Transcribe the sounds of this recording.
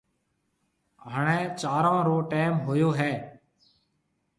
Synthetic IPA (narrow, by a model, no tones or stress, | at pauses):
ɦəɳẽːt͡ʃaːɾãːɾoːʈeːmɦʊjoːɦɛː